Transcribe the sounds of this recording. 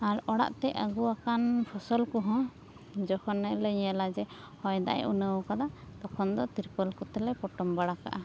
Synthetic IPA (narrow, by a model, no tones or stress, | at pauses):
aɾɔɽa̰ʔt̪ɛəɡuakanpʰɔsɔlkɔɦɔ̃ | d͡ʒɔkʰɔnːəlɛɲɛlad͡ʒɛ | hɔjd̪a̰ʔjʔunəwkad̪ad̪ɔkʰɔnd̪ɔt̪iɾpəlkɔt̪ɛlɛpɔʈɔmbaɽaka̰ʔa